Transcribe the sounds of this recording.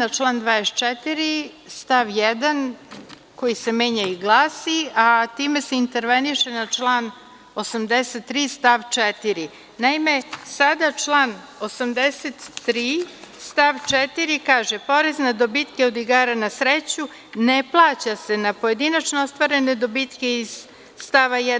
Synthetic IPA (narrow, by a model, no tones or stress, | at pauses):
nat͡ʃlˠaːnd̪ʋaːdest͡ʃɛt̪iɾi | st̪aʋjed̪an | ko̞jise̞meːɲaiɡlˠaːsiat̪iːme̞seint̪e̞ɾʋeniʂe̞nat͡ʂlˠaːn | o̞samd̪eset̪ːɾiːst̪aʋt͡ʂet̪iɾi | naime̞sad̪at͡ʂlˠaːn | o̞samd̪eset̪ːɾiːst̪aʋt͡ʂɛt̪iɾikaːʒepo̞ɾeznad̪o̞bit̪keo̞d̪iɡaːɾanasɾet͡ɕu | neplˠaːt͡ɕase̞napo̞je̞d̪inat͡ʃnoost̪ʋaɾe̞ne̞d̪o̞bit̪ke̞iz̥ː | t̪aʋajɛ